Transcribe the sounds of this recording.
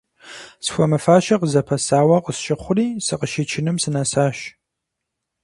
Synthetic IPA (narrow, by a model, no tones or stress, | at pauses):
sxʷɔmɨfaːʃɐqəzɐpʰɐsaːwɐqəsʃɪχʷʊɾiːsɨqəʃit͡ʃʰɪnɨmsɨnasaːʃ